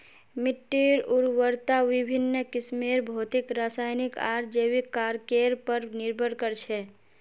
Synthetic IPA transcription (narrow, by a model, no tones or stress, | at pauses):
miʈːiɾuɾwəɾt̪aʋibʱinːəkismeɾbʱoːt̪ikɾasajnikaɾd͡ʒewikːaɾkeɾpəɾniɾbʱəɾkəɾt͡ʃʰɛ